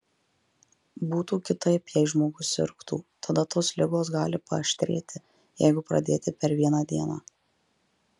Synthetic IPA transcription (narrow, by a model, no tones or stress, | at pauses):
buːt̪uːkʲɪt̪ɐɪpjɛɪʒmoːɡʊsʲɪ̰ɾkt̪ṵːt̪ɐd̪ɐt̪oːslʲɪɡoːsɡɑːlʲɪpɐ̰ʃʲt̪ʲɾʲḛːt̪ʲʰɪ | jɛ̰ɪɡʊpɾɐ̰d̪ʲeːt̪ʲɪpʲɛɾʋʲiɛnɑːd̪ʲiɛnɑ̰ː